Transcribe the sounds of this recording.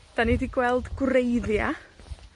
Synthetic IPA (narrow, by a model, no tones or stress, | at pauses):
d̥anidiɡwɛlˠdɡ̥ʊɾejðja